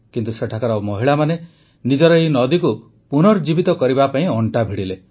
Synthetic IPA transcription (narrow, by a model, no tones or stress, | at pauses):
kint̪useʈʰakɔɾɔmɔɦiɭamane | nid͡ʒɔɾɔinɔd̪iku | punɔɾd͡ʒibit̪ɔkɔɾibapaĩɔɳʈabʱiɽile